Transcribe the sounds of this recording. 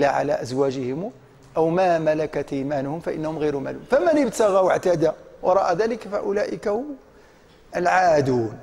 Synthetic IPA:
aʕa̰læ̰ʔæzwæʒɪhɪm | ʔæwmæmælakat̪ʔiːmænʊhʊmfaʔə̰nːahʊmɣijɾʊmæ̰lṵnfæmənəbt̪aɣawəʕt̪ad̪awɑɾˤɑʔad̪æləkfa̰ʔʊlæʔɪkahʊm | ʔəlʕaːd̪uːn

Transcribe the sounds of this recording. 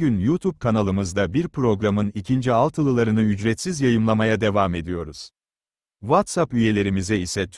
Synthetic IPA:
ynjut̪ʰub̚kʰanalˠɯmɯzd̪abiɾpɾo̞ɡɾamɯnicʰind͡ʒialˠt̪ʰɯlˠɯlˠaɾɯnɯyd͡ʒɾɛt̪sizjajɯmlˠamajad̪e̞vame̞d̪ijo̞ɾuz̥ | vat̪sapyje̞lʲe̞ɾimizɛisɛt̪ʰ

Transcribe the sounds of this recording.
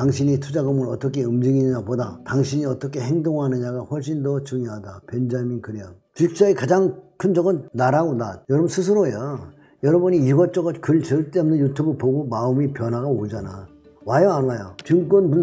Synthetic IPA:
taŋɕʰiɲitʰud͡ʑaɡɯmɯɾʌt͈ʌkʰe̞ɯmd͡ʑiɡiɲapodataŋɕʰiɲiʌt͈ʌkʰe̞heŋdoŋɦanɯɲaɡaɸwʌɭɕ̬͈indʌt͡ɕuŋjoɦadapend͡ʑaminkɯɾeaɡot͡ɕik̚t͡ɕ͈aikad͡ʑaŋkʰɯnd͡ʑʌɡʌnːaɾaɡonajʌɾʌbʌnsʰɯs̬ʰɯɾoeja | jʌɾʌbuɲiiɡʌt͡ɕ͈ʌɡʌkɯɭt͡ɕʌɭt͈emnɯnjutʰubɯɭpoɡomaɯmipjʌnɦwaɣaod͡ʑana | wajʌanajot͡ɕɯŋk͈wʌnbun

